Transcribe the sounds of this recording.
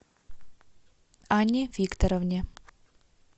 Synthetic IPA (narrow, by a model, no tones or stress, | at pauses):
aɲɪvikt̪ɔɾɔvɲɛ